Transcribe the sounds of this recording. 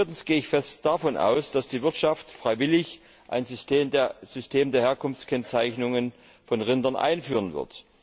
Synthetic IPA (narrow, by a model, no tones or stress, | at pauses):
tn̩sɡ̥eːəɪçfɛstd̥afɔnʔa̰ʊsd̥asd̥iːvɪɐtʃaftfʁ̥aɪvɪlɪç | ʔa̰ɪn | z̥ʏstʰeːmdeːɐheːɐkʰʊnft͡skʰɛnt͡saɪçnʊŋən | fɔnʁɪndɐnʔa̰ɪnfyːʁənvɪ̰ɐt